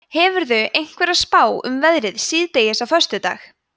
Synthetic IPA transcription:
hɛvʏɾðʏejn̥kvɛɾaspaːwʏ̰mvɛðɾɪðsiːðt̪eːjɪsawfœ̥st̪ʏt̪a̰ːx

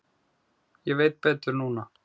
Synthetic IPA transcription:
jɛveːjt̪̚pɛːt̪ʏɾnuːna

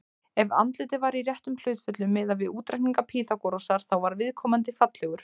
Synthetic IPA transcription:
ɛva̰nt̪lɪt̪ɪvaɾirjɛht̪ʏml̥œːɥt̪fʏt̪lʏmːɪðavɪuːt̪ɾɛkniŋkapʰiːθakɔɾɔsaɾ̥θawvaɾvɪðkʰɔːmant̪ɪfat̪lɛɣʏɾ̥

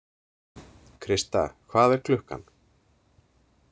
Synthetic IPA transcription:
kʰɾɪst̪a̰kʰv̥aːðɛɾ̥kʰlʏhka̰n

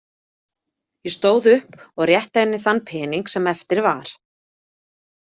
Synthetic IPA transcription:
jɛst̪oːwðʏhpɔɣrjɛht̪ɛnːɪθanːpʰɛːniŋksɛmɛft̪ɪɾva̰ɾ̥

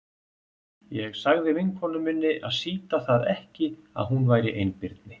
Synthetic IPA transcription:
jɛɣsaɣðɪmɪŋkʰɔlʏmːɪnːɪʔaðsiːt̪aθaðɛhcɪa̰ðɦunvaːjɾɪʔejnpɪɾt̪nɪ

